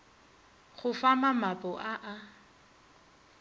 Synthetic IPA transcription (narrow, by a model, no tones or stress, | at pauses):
χʊfamamapʼɔʔaʔa